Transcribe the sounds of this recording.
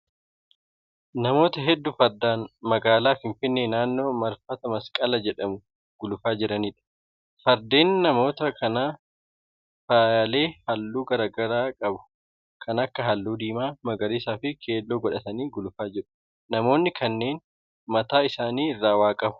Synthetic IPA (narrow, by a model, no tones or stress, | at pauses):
nɐmo̞ːt̪ɐɦɛd̪ːʊfɐɾd̪aːnmɐɡaːlaːfɪɱfɪnːeːnaːnːo̞ːmɐɾfɐt̪ɐmɐskʼɐlɐd͡ʒɛᶑɐmʊ | ɡ̥ʊlʊfaːd͡ʒɪɾɐniːᶑɐ̥ | fɐɾd̪e̞ːnːɐmo̞ːt̪ɐkʰɐnaː | faːjɐle̞ːhɐlːuːɡɐɾaːɡɐɾaːkʼɐbʊ̥ | kʰɐnɐkːɐɦɐlːuːd̪iːmaːmɐɡɐɾeːsaːfɪkʰe̞ːlːoːɡɔᶑɐt̪ɐniːɡʊlʊfaːd͡ʒɪᶑʊ̥ | nɐmo̞ːnːɪkʰɐnːe̞ːn | mɐt̪aːɪsaːniːɪrːaːwaːkʼɐbʊ̥